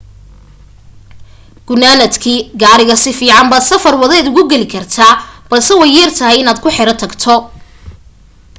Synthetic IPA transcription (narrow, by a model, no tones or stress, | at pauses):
ɡ̥ʊnaːnɐd̪kʰiːɡaːɾɪɣɐsɪfiːʕɑmbɐsɐfɐrwɐðɛːd̪ʊɣʊɡɛlɪkʰɐrt̪ʰaːb̥ɐlsɛwɛjːɛrt̪ʰɐɦɛjɪnaːd̪kʰʊħɛɾɐt̪ʰɐɡt̪ʰɔ